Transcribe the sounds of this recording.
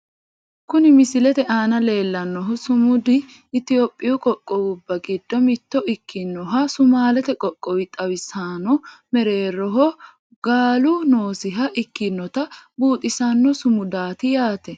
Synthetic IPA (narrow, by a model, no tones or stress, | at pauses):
kʊnɪmɪsɪlɛt̪ɛʔaːnɐle̞ːlːɐnːɔɦɔsʊmʊd̪ɪː | t̪ɪjoːpʼːɪjʊkʼɔkʼːɔwʊbːɐɡɪd̪ːɔmɪt̪ːɔʔɪkːɪnːɔɦɐsʊmaːlɛt̪ɛkʼɔkʼːɔwɪt̪ʼɐwɪsaːnɔmɛɾe̞ːɾːɔɦɔ | ɡaːlʊno̞ːsɪɦɐʔɪkːɪnːɔt̪ɐbuːt̪ʼːɪsɐnːɔsʊmʊd̪aːt̪ɪjaːt̪ɛ